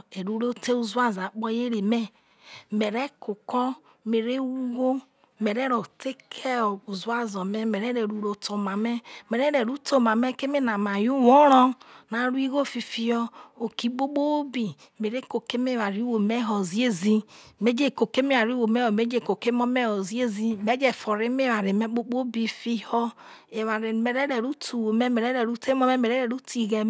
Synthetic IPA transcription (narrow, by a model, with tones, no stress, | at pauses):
e˨ɾu˦ɾo˦te˦u˦zu˦a˦za˨k͡pɔ˦je˦ɾe˨me˦ | me˨ɾe˦ko˨kɔ˦ | me˨ɾe˦wu˦ɡo˦ | me˨ɾe˦ɾo˨te˦kʰe˦˨u˨zu˦a˦zɔ˨me˦me˨ɾe˦ɾe˨ɾu˨ɾo˨to˨ma˨me˦me˨ɾe˦ɾe˨ɾu˦to˦˨ma˨me˦ke˦me˦na˨ma˨ju˦wo˦ɾɔ˦na˨˦ɾu˦i˦ɣo˦fi˨fi˨jɔ˦o˨ki˨ɡ͡bo˦k͡po˦bi˨ | me˨ɾe˦ko˨ke˦m˦e˦˨a˨ɾi˦wo˨me˦ɦɔ˨zi˦e˦zi˦me˦d͡ʒe˦˨ko˨ke˦me˦a˨ɾi˦wo˨me˦hɔ˨me˨˦d͡ʒe˦˨ko˨ke˦mɔ˦mɛ˦hɔ˨zi˦e˦zi˦me˨˦d͡ʒe˦˨fo˨ɾe˦me˦wa˨ɾe˨me˦k͡po˦k͡po˦bi˨fi˦hɔ˦ | e˨wa˨ɾe˨me˨ɾɛ˦ɾɛ˨ɾu˦tʰu˨wo˨mɛ˦me˨ɾɛ˦ɾɛ˨ɾu˦te˦mɔ˦mɛ˦me˨ɾe˦ɾɛ˨ɾu˦ti˨ɣɛ˨